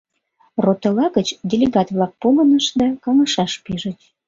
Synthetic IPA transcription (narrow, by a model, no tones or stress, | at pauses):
rot̪olɑɣət͡ɕdʲelʲeɣɑt̪vlɑk̚polənəʃd̪ɑkɑŋəʃɑʃpiʒət̪ʲ